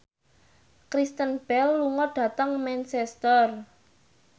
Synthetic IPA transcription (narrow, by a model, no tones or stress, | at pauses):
kɾist̪ənb̥ɛlːuŋɔɖ̥ä̤t̪əŋmɛnsɛst̪ɔr